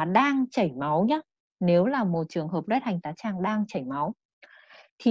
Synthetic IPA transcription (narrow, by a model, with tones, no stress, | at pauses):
a˨˩ɗaː˧ŋt͡ɕə˧˩jma˨˦wɲaː˨˦˥ | ne˨˦wlaː˨˩mo˨˩t̚t͡ɕɨ˨˩əŋɦəː˨˩p̚lwɛ˦˥t̚ha˨˩jŋ̟t̪aː˨˦jt͡ɕaː˧ŋɗaː˧ŋt͡ɕə˧˩jma˨˦w | t̪ʰi˨˩